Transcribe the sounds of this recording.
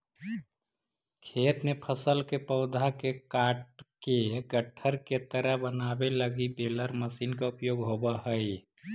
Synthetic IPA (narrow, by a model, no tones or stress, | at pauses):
kʰeːt̪nepʰəsəlkepəʊd̪ʱakekaːʈkeɡəʈʰəɾket̪əɾəɦbənaːbeləɡibeːləɾməsiːnkaʊpjoːɡɦobaɦəj